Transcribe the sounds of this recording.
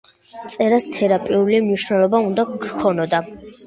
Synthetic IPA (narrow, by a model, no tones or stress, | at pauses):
t̪sʼɛɾast̪ʰɛɾapʼiulimniʃnɛlˠɔbaund̪akkʰːɔnɔd̪a